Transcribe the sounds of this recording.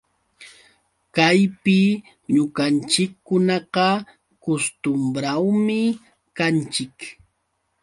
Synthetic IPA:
kajpɪ | ɲʊɢant͡ʃɪkːʊnɑqɑ | kʊst̪ʊmbɾawmɪ | kant͡ʃɪk

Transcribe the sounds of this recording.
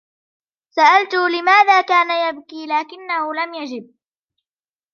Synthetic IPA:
saʔalt̪ʊlɪmaːðaːkaːnajabkiːlaːkɪnːahʊlamjad͡ʒɪb̚

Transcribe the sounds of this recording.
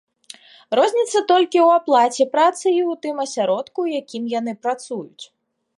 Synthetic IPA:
rɔzʲnʲit̪sːɐt̪ɔlʲkʲiwaplˠat͡sʲɛpɾat̪sɨiwt̪ɨmɐsʲaɾɔt̪kujakʲimjanɨpɾat̪sujʊt͡sʲ

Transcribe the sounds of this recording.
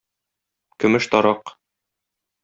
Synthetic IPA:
kɵ̆mɘʃt̪ɒɾɑq

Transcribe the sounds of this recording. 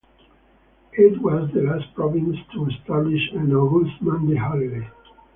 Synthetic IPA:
it̪wɔzd̪əlaspɹɔvĩnst̪ʰuɛst̪abliʃə̃nɔɡulsmãnd̪ehalde

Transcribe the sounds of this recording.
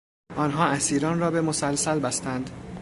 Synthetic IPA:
ʔɒːnɦɒːʔæsiːɾɒːnrɒːbe̞mosælsælbæst̪ænd̪

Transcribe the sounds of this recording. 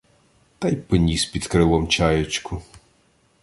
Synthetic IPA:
t̪ɑjpɔnʲispʲid̪kɾɪlˠɔmt͡ʃajet͡ʃkʰʊ

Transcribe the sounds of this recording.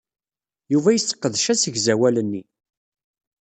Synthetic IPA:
juvæjəsːə̥qːəðʃæsəʝzæwælənːi

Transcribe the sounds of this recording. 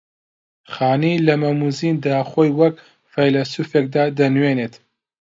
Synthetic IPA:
χaːnilɐmɐmuzind̪aːχojwɐk | fajlɐsuːfek̚d̪aːd̪ɐnweːnet̪

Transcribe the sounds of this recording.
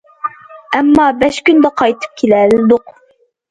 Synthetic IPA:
æmːɑːbɛʃkʲynd̪ɛqʰɑjt̪ʰɨ̥p̚kʲʰelɛlɪd̪ʊq

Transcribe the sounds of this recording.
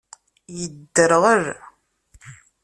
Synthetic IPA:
jəd̪ːəɾʁəɾ

